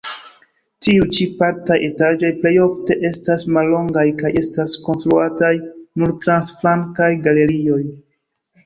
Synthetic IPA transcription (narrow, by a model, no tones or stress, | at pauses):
tiut͡ʃipaɾtajʔe̞tad͡ʒo̞jple̞jo̞fte̞ʔe̞stasmalːo̞ŋɡajkaje̞stasko̞nstɾuatajnuɾtɾansflaŋkajɡale̞ɾio̞j